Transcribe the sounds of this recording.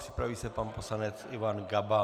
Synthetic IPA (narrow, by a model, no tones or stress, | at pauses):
r̥ɪpɾaviːsɛpanposlanɛt͡sɪvanɡaba